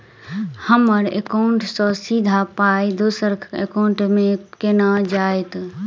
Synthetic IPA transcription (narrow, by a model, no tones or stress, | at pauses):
həməɾḛkaɳʈsɔ̃sid̪ʱapajd̪osəɾḛkaɳʈmekenad͡ʒaet̪